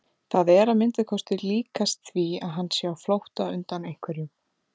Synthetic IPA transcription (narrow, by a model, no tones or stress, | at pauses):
θaðɛɾaðmɪnt̪akʰɔst̪ɪliːkast̪θviaðɦanːsjaːwflowht̪aʏnt̪anejŋ̥kʰvɛɾjʏm